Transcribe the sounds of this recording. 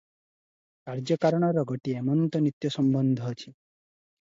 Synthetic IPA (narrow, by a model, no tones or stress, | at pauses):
kaɾd͡ʒɔkaɾɔɽ̃ɔɾɔɡɔʈiemɔnt̪ɔnit̪jɔsɔmbɔnd̪ʱɔɦːt͡ʃʰi